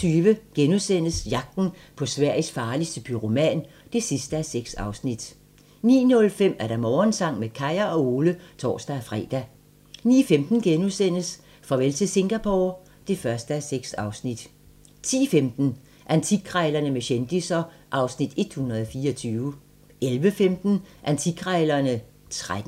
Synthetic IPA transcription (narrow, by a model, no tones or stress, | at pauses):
yːʋəɡ̥enuðˠsen̰əsjɑ̈ɡ̥̚d̥n̩pʰɒ̽sʋæɐ̰ɪisfɑ̈ːlisd̥əpʰyʁomɛ̰ːn | d̥e̝sisd̥əæseɡ̥sɑ̈ʊsnid̥ | nḭːnɔ̽lfem̰æɐɾ̥ɑ̈mɒːnsɑ̈ŋ̰mekʰɑ̈ɪɐɒ̽o̝ːlət͡sʰɒ̰ːsd̥æːfʁɛ̰ːd̥æ | nḭːfemd̥n̩ɡ̥enuðˠsen̰əs | fɒʋelsəse̝ŋɡ̥æpʰo̰ | d̥e̝fɶɐsd̥əæseɡ̥sɑ̈ʊsnid̥ | t͡sʰḭːfemd̥n̩ | ʔænt͡sʰiɡ̥ʰʁɛɪlɐnəmeɕend̥isɐ | ʔɑ̈ʊsnid̥e̝d̥hunʁɐð̞ˠɒfiːɐɒt͡sʰyːʊ | ʔelʋəfemd̥n̩ʔænt͡sʰiɡ̥ʰʁɛɪlɐnə | t͡sʰʁad̥n̩